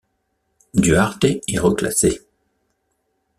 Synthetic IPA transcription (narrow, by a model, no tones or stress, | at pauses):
d̪yaʁt̪eɛʁəkla̰se